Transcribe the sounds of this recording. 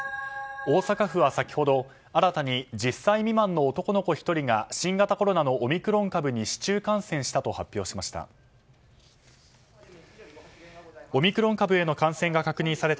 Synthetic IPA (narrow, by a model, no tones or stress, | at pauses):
o̞ːsakaɸɯ̟βasakʲi̥ho̞d̪o̞ | aɾat̪aɲ̟id͡ʑisːaimʲimãnːo̞ːt̪o̞ko̞no̞ko̞çi̥t̪o̞ɾʲiɡaɕĩŋɡat̪ako̞ɾo̞nano̞ʔːmʲikɯ̟ɾõ̞ŋkabɯ̟ɲ̟iɕi̥t͡ɕɨːkãɰ̃sẽ̞ɰ̃ɕi̥t̪at̪o̞hapʲːjo̞ːɕimaɕi̥t̪a̰ | o̞mʲikɯ̟ɾõ̞ŋkabɯ̟e̞no̞kãɰ̃sẽ̞ŋɡakakɯ̟ɲ̟ĩsaɾe̞t̪